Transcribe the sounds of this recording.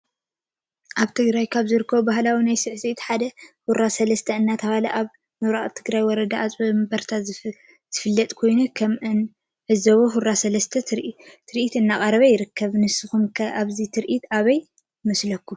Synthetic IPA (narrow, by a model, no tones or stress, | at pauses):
ʔaβt̪ʰɨɡɾajkʰaβzɨɾɨkʰːɐβubahlawinajsɨʕsit̪ħad̪ɐhuɾasɐlɐst̪ʰɐɨnːat̪ʰɐfalɐʔaβ | mɨβɾaʔʼt̪ʰɨɡɾajwɔɾɐd̪aːt͡sʼbmbɐɾt̪ʰa | z̥ɨfɨlːɐt̪ʼkʰo̞jnukʰɐmʔɨn | ʕɨzɐβoɦuɾasɐlɐst̪ʰɐt̪ʰɨɾʔit̪ɨnːakʼɐɾɐβɐjɪɾɨkːɐβnɨsɨxumkʰɐʔaβzit̪ʰɨɾʔit̪aβɐj | mɐslɐkʰːu